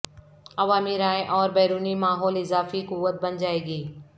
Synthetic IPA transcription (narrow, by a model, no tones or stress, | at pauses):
ɐʋaːmiɾaːeʔɔːɾbɛːɾuːnimaːɦɔːlɪzaːfikuʋət̪̚bɐnd͡ʒaːeːɡiː